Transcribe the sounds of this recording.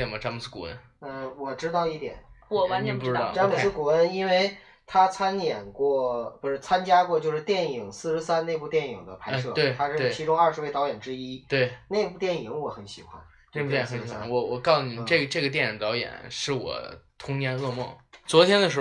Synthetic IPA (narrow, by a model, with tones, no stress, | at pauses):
ɛ˨˩nmɐ˧˩ʈ͡ʂɑ˥ŋmu˨˩sɹ̩˥kṵ˨˩ə̰˦n | ə˧wɔ˨˩ʈ͡ʂɻ̩˥t̪ɑ˥˧ʊi˥˩t̪jɛ̰˨˩˦nwɔ˨˩wa˧˥nɛ˧˥pu˧ʈ͡ʂɻɑ˧˥˧ʈ͡ʂɑ˥mu˨˩s̩˥ku˨˩ə˥ni˥nwe˥˩ɪ | t̪ʰa˥t͡sʰa˥njɛ˨˩nkwɔ˥˧˩pu˧˥ʂɻ̩˥˩t͡sʰa˥nt͡ɕja˥kwɔ˥˧t͡ɕjo˥˧ʊʂɻ̩˥˧t̪jɛ˥˩ni˨˩ŋsɹ̩˥˧ʂɻ̩˥sa˥nne˥˧ɪpu˧t̪jɛ˥˩ni˨˩ŋd̪ə˦pʰa˧˥ɪʂɤ˥˩t̪we˥˧ɪt̪ʰa˥ʂɻ̩˥˧e˩˥˩t͡ɕʰi˧˥ʈ͡ʂʊ˥ŋɐ˞˥˧ʂɻ̩˧˥we˥˩ɪɑ˧˥ʊjɛ˨˩nʈ͡ʂɻ̩˥i˥t̪we˥˩ɪne˥˧ɪpu˥˧t̪jɛ˥˩ni˨˧˥ŋwɔ˧˥xə˧˥nɕḭ˨˩xwa̰˧˥n | n˥˩pu˥˧t̪jɛ˥˩˥xə˧˦n˥ɕwa̰˧nwɔ˧˥wɔ˨˩kɑ˥˩ʊni˨˩ʈ͡ʂɤ˥˩ɡə˩ʈ͡ʂɤ˥˩ɡə˩t̪jɛ˥˩ni˨˥ŋt̪ɑ˧˥ʊjɛ̰˨˩˦nʂɻ̩˥˩wɔ̰˨˩t̪ʰʊ˥ŋnjɛ˥nɤ˥˧mwɔ˥˩t͡swɔ˧˥t̪ʰjɛ˥nd̪ə˨ʂɻ̩˧˥